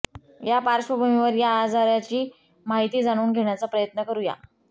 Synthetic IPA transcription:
japaɾɕəbəmiʋəɾjaːd͡zaɾjat͡ɕiː | maɦit̪iːd͡zaɽ̃uːnɡʱeɽ̃jat͡sapɾəjət̪nəkəɾuːja̰

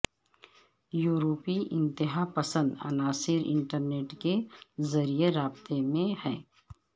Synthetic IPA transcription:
juːɾoːpiʔɪ̃nt̪ɪɦapɐsə̃nd̪a̰ːnaːsɪɾɪ̰̃ɳʈəɾneːʈkezɐɾijeɾaːbt̪emẽhɛː

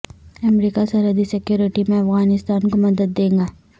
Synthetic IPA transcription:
ɐmɾiːkasɐɾɦəd̪isɪkjoːɾɪʈimẽɐfɣaːnɪst̪aːnkomɐd̪əd̪ːẽːŋɡaː

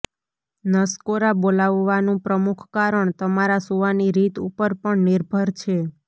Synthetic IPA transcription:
nəskoɾabolaʋːanũpɾəmukʰkaɾəɳt̪əmaɾasuʋaniɾit̪ṵpəɾpəɳniɾbʱəɾt͡ʃʰe

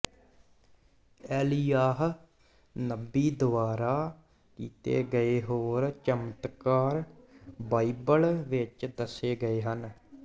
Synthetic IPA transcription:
ɛːlijaːɦ | nəbːiːd̪ʊʋaːɾaː | kiːt̪ḛːɡəeːɦoːɾt͡ʃəmət̪kaːɾbaːibəlʋɪt͡ʃd̪əseːɡəeːɦən

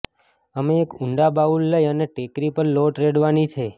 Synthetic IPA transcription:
əmeːkʊɳɖabaulːəjəneʈekɾipəɾloʈɾeɽʋanit͡ʃʰe

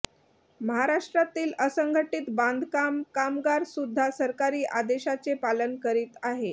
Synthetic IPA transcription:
məɦaɾaʂʈɾat̪iːləsəŋɡʱəʈiːt̪bãnd̪ʱkamkamɡaɾsud̪ʱːasəɾkaɾiːʔad̪eɕat͡sepalənkəɾiːt̪aɦe

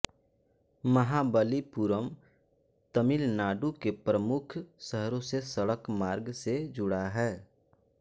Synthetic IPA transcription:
məɦabəlipuːɾəm | t̪əmɪlnaːɖukepɾəmʊkʰsəɦɾõsesəɽəkmaːɾɡsed͡ʒʊɽaɦɛː

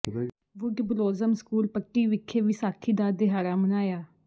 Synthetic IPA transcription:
ʋʊɖbloːzəmskuːlpəkːiːʋɪkʰːeːʋisaːkʰiːd̪aːd̪eɦaːɾaːmənaːjaː

